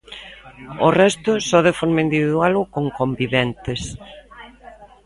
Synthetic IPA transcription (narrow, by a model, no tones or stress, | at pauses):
orɛst̪ʊsɔðefɔɾmaind̪iβiðwalʊkoŋkombiβɛnt̪es